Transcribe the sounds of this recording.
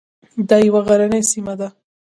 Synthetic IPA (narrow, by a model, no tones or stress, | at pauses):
d̪ɑjawaɣaɾanəjsimad̪a